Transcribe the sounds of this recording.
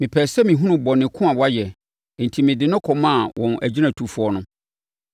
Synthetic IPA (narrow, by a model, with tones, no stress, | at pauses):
mɪ̃˨pʰɛː˨sɛ˦mɪ̃˨ɦũ˦nʊ̃˨bɔ˨nɪ̃˨kʰʊ̃˦a˨wɔ˨˦a˦jɛ˨ | n̩˨tʰi˨mɪ̃˨dɪ˨nʊ̃˦kʰɔ˨mã˦˨wʔɔ̃˨næ̰˨d͡ʑi˦nã˨tʰu˨fu˨˦ɔ˦nʊ̃˦